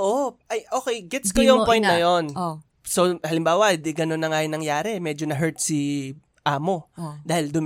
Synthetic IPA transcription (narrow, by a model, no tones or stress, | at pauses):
ʔoʔɐjʔoːkejɡɛt̪skɐjoŋpojnt̪nɐjon | sohɐlɪmbaːwɐd̪iɡɐnonːɐŋajʊnɐŋjaːɾɛmɛd͡ʒonɐɦɛɹt̪̚si | ʔaːmo̞d̪aːhɪld̪ʊm